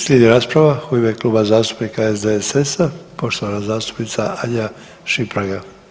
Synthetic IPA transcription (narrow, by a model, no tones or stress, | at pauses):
slʲed̪iɾaːspɾaʋaxuimekluːbazaːst̪u̥pnikaezd̪esesapo̞ʃt̪oʋanazaːst̪u̥pnit̪saaʎa | ʃipɾaɡa